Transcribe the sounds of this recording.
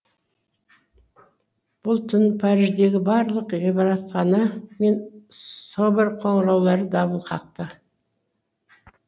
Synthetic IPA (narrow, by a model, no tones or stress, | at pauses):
b̥ʊlˠt̪ʰʏnpʰɑɾɪʒd̪e̞ɡʲɪbɑɾlˠəqʒebɑɾɑt̪qɑnəme̞nsobɪɾqʰoɴɾɑwlˠɑɾəd̪ɑβəlˠqʰɑq̚t̪ə